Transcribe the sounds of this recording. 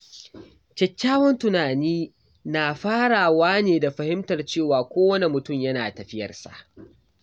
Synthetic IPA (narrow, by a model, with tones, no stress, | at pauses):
t͡ʃɐ˨kʲːaː˦wɔ˦ntʊ˨naː˨niː˦ | na˨ɸaː˦ɽaː˨waː˦neː˨da˨ɸɐ˨hɪ˦mtɐ˨rt͡ʃeː˦˨waː˨kʷoː˦wɐ˦ne˨mʊ˨tʊ˦˨mjɐ˦naː˨tɐ˨ɸɪ˦jɐ̰˨rsa̰˨ʔ